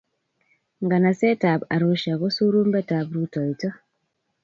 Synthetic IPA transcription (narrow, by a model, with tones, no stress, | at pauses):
ŋɡa˨na˨sɛ˦ta˨ba˨ɾu˦ʃa˨ɣɔ˦su˦ɾu˦mbɛ˦ta˨bɾu˦tɔ˨i˨tɔ˦